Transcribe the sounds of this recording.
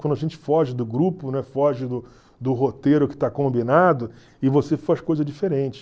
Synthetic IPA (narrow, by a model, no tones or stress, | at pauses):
kwɐ̃nd̪ʊɐaʒẽnt͡ʃɪ̥fɔʒɪd̪ʊɡɾupʊnɛfɔʒɪd̪ʊ | d̪ʊɦot̪eɾʊkɪ̥t̪akõmbinad̪ʊ | ɪvosefaʃkojzɐd͡ʒifeɾẽnt͡ʃɪ̥